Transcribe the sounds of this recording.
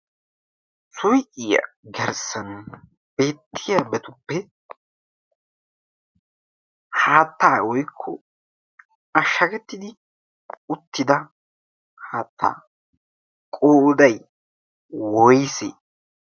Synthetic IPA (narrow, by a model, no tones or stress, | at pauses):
sʊjʔɪjɐ̰ɡɛɾsɐn | b̥e̞ːt̪ʰːɪjɐbɛt̪ʊpːɛ | haːt̪ːaːwɔjkʰːɔ̰ | ɐʃːɐkɛt̪ːɪd̪ɪ | ʊt̪ːɪd̪ɐ | haːt̪ːa̰ː | kʼoːʔʊd̪ɐj | wɔjsḛː